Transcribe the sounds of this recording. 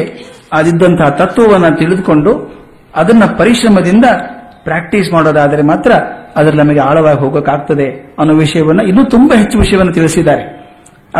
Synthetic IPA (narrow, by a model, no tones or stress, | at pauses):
aːd̪id̪ːɐnt̪ʰɐɦɐt̪ɐt̪ːʋɐʋɐnːɐt̪iɭid̪uko̞ɳɖu | ɐd̪ɐnːɐpɐɾiʂɾɐmɐd̪ind̪ɐ | pɾaːk̚ʈiːsmaːɽoːd̪aːd̪ɐɾe̞maːt̪ɾɐːd̪ɐɾɐnɐmɐɡeaːɭɐʋaːɡiɦo̞ːɡokaːɡ̚t̪ɐd̪e̞ɐnːoːʋiʂɐjɐʋɐnːɐinːuːt̪umbɐɦe̞t͡ʃːuʋiʂɐjɐʋɐnːɐt̪iɭisid̪ːaːɾe